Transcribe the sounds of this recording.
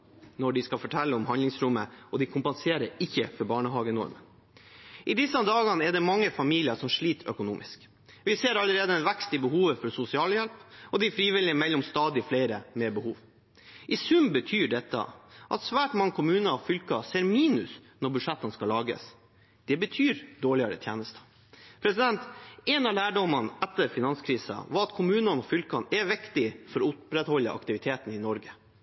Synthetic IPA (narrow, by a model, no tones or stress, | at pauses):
nɔɖɪskɑfɔʈʰɛlːəʊmhɑndlɪŋsɾʊmːəɔd̪ɪkʰʊmpənseːɾəɾɪçːəfɔɾbɑːɳəɦɑːɡənɔ̰ɾmə̰n | ʔɪd̪ɪsənd̪ɑːɡɑnəɛɖɛmɑŋːəfɑmiːlɪəʂɔmʂɭiːt̪ʰœ̰kʊnṵːmɪ̰sk | ʋɪseːɾɑlːəɾeːd̪əɛnʋɛkst̪ɪbəhuːʋəfɔɾsʊsɪɑːljɛlpɔd̪ɪfɾiːʋɪlɪəmɛlːɔmst̪ɑːd̪ɪfleɪɾəmɛbəhuːʋ | ʔɪsʉmbət̪ʰyːɖɛt̪ːə̰ʔɑt̪sʋæːʈmɑŋːəkʰʊmʉːnəɑfʏlkɑseːɾmiːnʉsnɔɾbʉʂɛt̪ːənskɑlɑːɡə̰s | d̪̥ɛbət̪ʰyːɾd̪oːɭɪəɾə̰t̪ʰjeːnəst̪ə̥ | pʰɾɛsɪd̪ɛnt̪ɛnɑlæːɖɔmɑnɛt̪ːəɾfɪnɑnskʰɾiːsɑ̰ʋɑɾɑt̪̚kʰʊmʉːnɑnɔfʏlkɑnɛʋɪkt̪ɪfɔɾɔʊpɾɛt̪hɔlːəʔɑ̰kt̪ɪʋɪt̪ʰeːt̪n̩ɪnɔɾɡə